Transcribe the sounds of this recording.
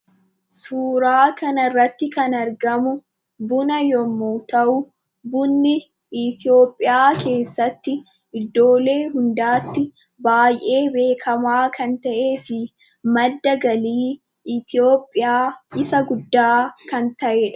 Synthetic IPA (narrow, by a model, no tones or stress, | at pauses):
suːɾaːkɐnɐrːɐt̪ːɪkɐnɐɾɡɐmʊ | bʊnɐjɔmːoːt̪ɐʔʊ | bʊnːɪ | ɪt̪ɪo̞ːpʼːɪjaːke̞ːsːɐt̪ːɪ | ʔɪd̪ːo̞ːle̞ːɦʊnd̪aːt̪ːɪ | baːjʔe̞ːbe̞ːkʰɐmaːkɐnt̪ɐʔe̞ːfɪ | mɐd̪ːɐɡɐliː | ɪt̪ɪjo̞ːpʼːɪjaːɪsɐɡʊd̪ːaːkɐnt̪ɐʔeːᶑɐ̥